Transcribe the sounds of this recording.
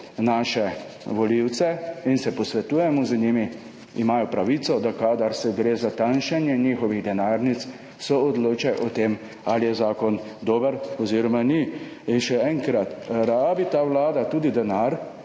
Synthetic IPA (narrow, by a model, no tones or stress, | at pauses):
naːʃɛ | ʋɔliwt̪sɛinsɛpɔsʋɛt̪uːjɛmɔzniːmi | imaːjɔpɾaʋit̪sɔd̪akaːd̪aɾsɛɡɾeːzat̪anʃanjɛniːxɔʋiɣd̪ɛnaːɾnit̪s | sɔɔd̪loːt͡ʃajʔɔt̪em | alijɛzaːkɔn | d̪oːbəɾɔziːɾɔmani | inʃɛɛːŋkɾat̪ɾaːbit̪aːʋlaːd̪at̪uːd̪id̪ɛnaːɾ